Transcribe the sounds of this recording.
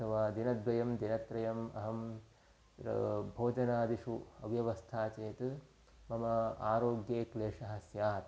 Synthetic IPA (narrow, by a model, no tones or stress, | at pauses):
ɐʋaːd̪inɐd̪ʋɐjɐmd̪inɐt̪ɾɐjɐmɐ̰ɦɐm | ɾɐ̰bʱoːd͡ʒɐnaːd̪iʂuɐ̰ʋjɐʋɐst̪ʰaːt͡ʃeːt̪ɨ | mɐmɐa̰ːɾoːɡjeːkleːʂɐɦɐsjaːt̪